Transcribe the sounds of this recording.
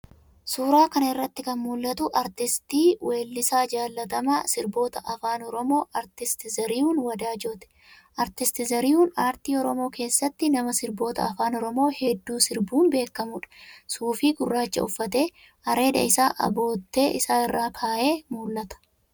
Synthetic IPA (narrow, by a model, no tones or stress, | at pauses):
suːɾaːkɐnɪrːɐt̪ːɪkɐnmuːlːɐt̪ʊʔɐɾt̪ɪst̪iːwʔe̞ːlːɪsaːd͡ʒaːlːɐt̪ɐmɐsɪɾbo̞ːt̪ɐʔɐfaːnɔɾɔmo̞ːʔɐɾt̪ɪst̪ɪzɐɾiːuːnwɐd̪aːd͡ʒot̪ɛ̥ | ʔɐɾt̪ɪst̪ɪzɐɾiːuːnaːɾt̪iːɔɾɔmo̞ːke̞ːsːɐt̪ːɪnɐmɐsɪɾbo̞ːt̪ɐ̰ɐfaːnɔɾɔmo̞ːhɛd̪ːuːsɪɾbuːnbe̞ːkːɐmʊᶑɐ̥suːfiːɡʊrːaːt͡ʃːɐ̰ʊfːɐt̪e̞ː | hɐɾe̞ːd̪ɐ̰ɪsaːʔɐ̰bo̞ːt̪ːe̞ːʔɪsaːɪrːaːkʰaːʔe̞ːmuːlːɐt̪ɐ̥